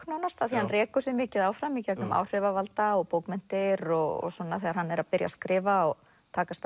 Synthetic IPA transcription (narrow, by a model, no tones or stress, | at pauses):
knɔːnast̪aðθihanrɛːkʏ̥sɪmɪːcɪðaːwfɾamicɛknʏma̰wr̥ɛvavalt̪aɔɣpoːwkmɪn̥t̪ɪɾɔɣɔ̰sɔnːaθɛːɣaɾhanːɛɾaðpɪɾja̰skɾɪːvaɔ | t̪ʰaːkast̪